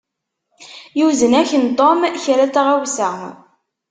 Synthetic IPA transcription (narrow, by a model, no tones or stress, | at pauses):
juzənæçənt̪ˤomçɾæt͡sːaʁawsæ